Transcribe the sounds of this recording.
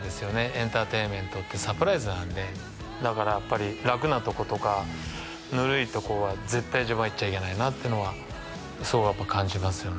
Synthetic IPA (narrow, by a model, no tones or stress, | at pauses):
d̪e̞sɨjo̞ne̞ẽ̞nt̪aːt̪e̞ːmẽ̞nt̪o̞t̪ːe̞sapɯ̟ɾaizɨnãnd̪e̞ | d̪akaɾajapːaɾʲiɾakɯ̟nat̪o̞ko̞t̪o̞ka | nɯ̟ɾɯ̟it̪o̞ko̞ɾoβaze̞t̪ːaiʑaβãit͡ɕaikʲe̞nainat̪ːeɯ̟no̞βa | soːɡajapːakãɲ̟d͡ʑimasɨjo̞n